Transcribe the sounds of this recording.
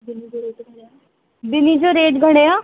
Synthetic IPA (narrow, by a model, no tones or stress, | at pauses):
bɪnid͡ʒeːʈɡ | bɪniːd͡ʒoːɾeːʈɡʱəɽ̃eːãː